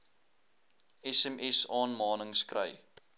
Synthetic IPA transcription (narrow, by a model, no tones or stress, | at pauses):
ɛsɛmʔɛsɑːnmɑːnəŋskrə̰j